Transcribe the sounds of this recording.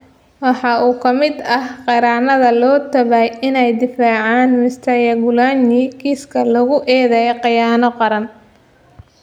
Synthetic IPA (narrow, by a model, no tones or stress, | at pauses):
wɑħɑʔuːkʰɐmɪd̪ɐhqɑɾaːnɐðɐlɔːt̪ʰɐβajɪnɛjd̪ɪfaːʕɑːnmɪst̪ʰɐjɐɡʊlaːnikiːskʰɐlɐɣʊʔɛːðɛjqɑjaːnɔqɑɾɐn